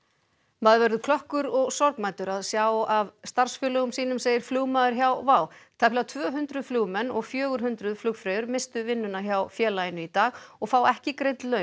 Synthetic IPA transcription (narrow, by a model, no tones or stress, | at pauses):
maðvɛɾðʏkʰlɔhkʏɾɔɣsɔɾkmajt̪ʏɾaðsjaːwavst̪aɾ̥sfjœːlœɣʏmsiːnʏmseːjɪɾ̥fluːɣmaːðʏɾ̥çjawvaːwt̪ʰɛplawt̪ʰvœːɦʏnt̪ɾʏðfluːɣmɛnːɔɣfjœːɣʏɾ̥ɦʏnt̪ɾʏðflʏkfɾeːjʏɾmɪst̪ʏvɪnːʏnaçjawfjɛːlajɪnʏit̪aːɣɔɣfaːwɛhcɪkɾejt̪lœːɥn